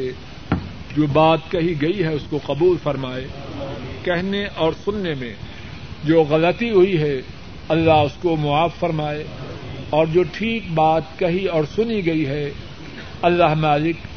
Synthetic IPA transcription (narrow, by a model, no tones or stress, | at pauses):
e | d͡ʒoːbaːt̪kɐɦiɡɐiɦɛʊskoqɐbuːlfɐɾmaːe | kɛɦneʔɔːɾsʊnːemḛ̃ | d͡ʒoːɣɐlət̪iɦʊiɦɛ | ɐlːaɦʊskomʊaːfːɐɾmaːe | ɔːɾd͡ʒoːʈʰiːk̚baːt̪̚kɐɦiɔːɾsʊniɡɐiɦɛ | ɐlːaɦmaːlɪk